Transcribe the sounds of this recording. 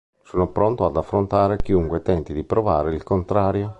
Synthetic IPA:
soːnopɾont̪oad̪afːɾont̪aːɾek̟iuŋkwet̪ɛnt̪id̪ipɾova̰ːɾeilkont̪ɾaːɾjo

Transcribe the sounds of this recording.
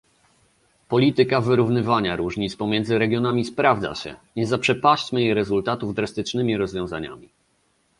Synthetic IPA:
pɔlʲit̪ɘkavɘɾuvnɘvaɲaɾuʐɲit̪spɔmʲjɛnd̪zɘɾɛɡʲjɔnamʲispɾavd̪za̰ɕɛ̰ɲɛzapʂɛpaɕt͡ɕmɘjɛɾɛzult̪at̪uvd̪ɾast̪ɘt͡ʂnɘmʲiɾɔzvʲjɔ̃w̃za̰ɲa̰mʲi

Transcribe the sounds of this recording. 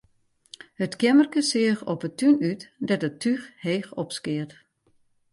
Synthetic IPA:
hətkɪmərkəsɪəxɔpətʰːynytdɛtətʰːyxheːxɔpskɪət

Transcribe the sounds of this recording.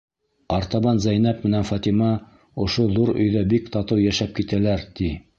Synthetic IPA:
ɑɾt̪ɑβɑnzæjnæp̚mɘ̆nænfɑt̪imɑ | ŏʃoðuɾɵ̰̆jðæbikt̪ɑt̪ɤwjæʃæp̚kit̪ælæɾt̪i

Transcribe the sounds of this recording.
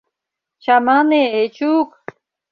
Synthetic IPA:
t͡ɕamaːneet͡ɕuːk

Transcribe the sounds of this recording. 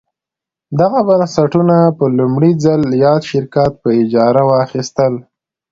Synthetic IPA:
d̪aɣabansaʈunapəlumɽid͡zaljɑd̪ʃɪɾkat̪̚pəɪd͡ʒɑɾawɑxist̪əl

